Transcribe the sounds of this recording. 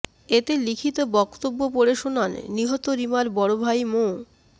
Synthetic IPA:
et̪elikʰit̪obɔkt̪obːopoɽeʃonanːiɦɔt̪oɾimaɾbɔɽobʱajmo

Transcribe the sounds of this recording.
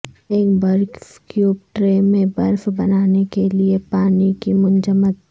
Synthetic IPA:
eːk̚bɐɾkjuːb̚ʈɾeːmẽbɐɾfbɐnaːnekeliepaːnikimʊnd͡ʒəmət̪

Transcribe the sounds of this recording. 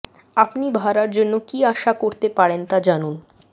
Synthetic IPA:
apnibʱaɾaɾd͡ʑonːokiaʃakoɾt̪epaɽent̪ad͡ʑanun

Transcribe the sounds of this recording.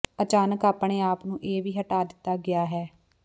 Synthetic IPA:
ət͡ʃaːnəkaːpɳ̃eːaːpnũːʔeːʋiːɦəʈaːd̪ɪt̪ːaːɡɪaːɦɛː

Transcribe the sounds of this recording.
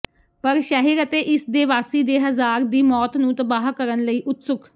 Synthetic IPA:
pəɾʃɛːɦiːɾət̪eːʔɪsd̪eːʋaːsiːd̪eːɦəzaːɾd̪iːmɔːt̪nũːt̪əbaːɦkəɾənləiːʔʊt̪sʊk

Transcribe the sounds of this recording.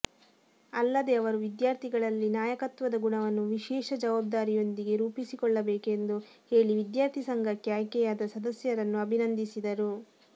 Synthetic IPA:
ɐlːɐd̪eɐʋɐɾuʋid̪jaːɾt̪ʰiɡɐɭɐlːinaːjɐkɐt̪ʋɐd̪ɐɡuɳɐʋɐnːuʋiʃɛːʃɐd͡ʒɐʋaːb̚d̪aːɾijo̞nd̪iɡe̞ɾuːpisikɔɭːɐbɛːke̞nd̪u | he̞ːɭiʋid̪jaːɾt̪ʰisɐŋɡɐkːjaːjkɛjaːd̪ɐsɐd̪ɐsjɐɾɐnːuɐbʱinɐnd̪isid̪ɐɾu

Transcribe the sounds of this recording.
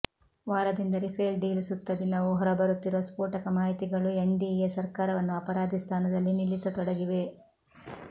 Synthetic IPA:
ʋaːɾɐd̪ind̪ɐɾipʰeːlɖiːlsut̪ːɐd̪inɐʋuɦɔɾɐbɐɾut̪ːiɾuʋɐspuːʈɐkɐmaːɦit̪iɡɐɭueɳɖijesɐɾkaːɾɐʋɐnːuɐpɐɾaːd̪ʱist̪ʰaːnɐd̪ɐlːinilːisɐt̪ɔɽɐɡiʋe̞

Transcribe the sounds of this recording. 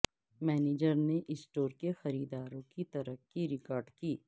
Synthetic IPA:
mɛːneːd͡ʒəɾneʔɪsʈoːɾkexɐɾiːd̪aːɾõkit̪ɐɾəkːiɾɪkɔːɾɖkiː

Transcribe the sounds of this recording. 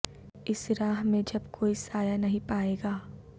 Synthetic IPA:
ɪsɾaːɦmẽd͡ʒɐbkoːisaːjanɐɦĩpaːeːɡaː

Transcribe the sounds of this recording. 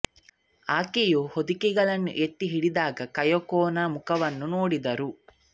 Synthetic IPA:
aːkejuhod̪ikɛɡɐɭɐnːṵʔet̪ːiɦiɽid̪aːɡɐkɐjɔkoːnamukɐʋɐnːunoːɽid̪ɐɾu

